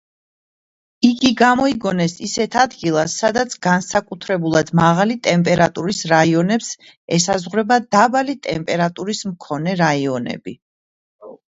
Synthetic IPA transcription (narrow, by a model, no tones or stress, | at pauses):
iɡiɡamɔiɡɔnɛsisɛt̪ʰad̪ɡilˠasːad̪at̪sʰɡansakʼut̪ʰɾɛbulˠad̪̥maʁalit̪ʼɛmpʼɛɾat̪ʼuɾisɾaiɔnɛps | ɛsazʁɾɛbad̪abalit̪ʼɛmpʼɛɾat̪ʼuɾismkʰɔnɛɾaiɔnɛ̰bi